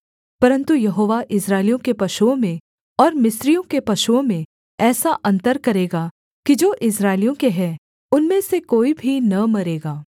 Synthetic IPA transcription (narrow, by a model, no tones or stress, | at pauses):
pɐɾə̃nt̪ujɐɦoːʋaʔɪsɾaːɪlijõkepɐʃuõmẽ | ɔːɾmɪsɾijõkepɐʃuõmẽ | ɛːsaʔɐ̃nt̪əɾkɐɾeːɡaː | kid͡ʒoːʔɪs̬ɾaːɪlijõkeɦɛː | ʊnmẽsekoːibʱinɐmɐɾeːɡaː